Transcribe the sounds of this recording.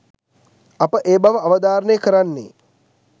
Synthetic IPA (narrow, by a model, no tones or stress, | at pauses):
apəʔeːbaʋəaʋɐd̪aːɾənəjəkəɾanːḛː